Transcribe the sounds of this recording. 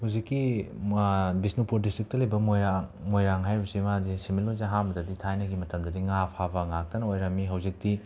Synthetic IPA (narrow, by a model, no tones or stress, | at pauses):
huzikːi | bisnupuɾdistɾik̚tɐlɐjbɐmojɾaŋmojɾaŋɦajɾusimazisimiluzaɦambɐdɐditʰajnɐɡimɐtɐmdɐdiŋapʰabɐŋak̚tɐnɐojɾɐmiɦɐwzik̚di